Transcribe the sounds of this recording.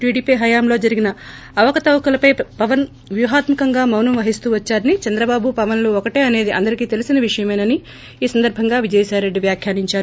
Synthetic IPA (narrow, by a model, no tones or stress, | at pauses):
ʈiːɽiːpiɦɐjaːmlo̞ːd͡ʒɐɾiɡinɐ | ɐʋɐkɐt̪ɐwkulɐpɐjpɐʋɐn | ʋjuːɦaːt̪mɐkɐŋɡaːmɐwnɐmʋɐɦist̪uːʋɐt͡ʃːaːɾɐnit͡ʃɐnd̪ɾɐbaːbupɐʋɐnloːokɐʈeːɐne̞ːd̪iʔɐ̰nd̪ɐɾikiːt̪e̞lisinɐʋiʂɐjɐmeːnɐni | iːsɐnd̪ɐɾbʱɐŋɡaːʋid͡ʒɐjsaːɾe̞ɖːiʋjaːkʰjaːniɲt͡ʃaːɾu